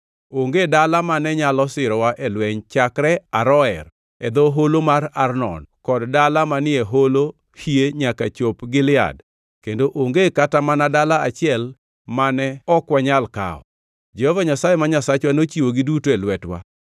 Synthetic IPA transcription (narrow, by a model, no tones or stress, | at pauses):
oŋɡedalamanɛɲalɔsɪɾɔwaʔɛlwɛɲt͡ʃakɾɛaɾɔɛr | ɛd̪oɦolomaɾarnɔ̰nkɔddalamanɪeɦolo | hieɲakat͡ʃopɡɪlɪa̰d | kendoʔoŋɡekatamanadalaat͡ʃɪɛl | manɛɔkwaɲalka̰ɔ̰ | d͡ʒɛhɔvaɲasajemaɲasat͡ʃwanot͡ʃiwoɡɪdutoɛlwɛtwa̰